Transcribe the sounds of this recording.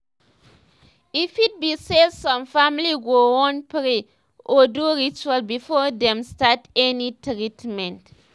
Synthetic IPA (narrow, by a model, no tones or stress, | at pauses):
ifid̚biselsɔ̃mfamliɡowɔ̃npɾi | oduɾit͡ʃualbifɔdɛ̃mstatɛnitɾitmɛ̃nt